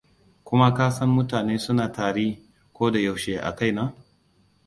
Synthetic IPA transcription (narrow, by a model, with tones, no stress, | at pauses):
kʷʊ˦ma˦kaː˦sɐ˦mːʊ˦taː˨neː˦sʊ˦naː˨taː˨ɽiː˦ | kʷoː˦da˨ja˨wʃeː˨ʔa̰˨ka˦˨jnaː˦